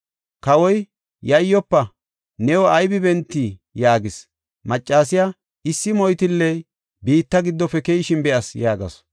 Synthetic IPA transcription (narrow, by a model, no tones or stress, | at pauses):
kɐwɔj | jɐjːɔpːɐ | nɛwɔɐjbɪbɛnt̪ːiːjaːɡɪs | mɐt͡ʃʼːaːsɪja | ɪsːɪmɔjt̪ɪlːɛj | biːt̪ːɐɡɪd̪ːɔfɛkɛjɪʃɪnbɛʔɐsjaːɡɐ̰s